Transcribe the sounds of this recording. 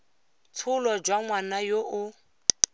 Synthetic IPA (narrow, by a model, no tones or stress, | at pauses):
t͡sʰʊlɔd͡ʒwaŋwanajoʔʊ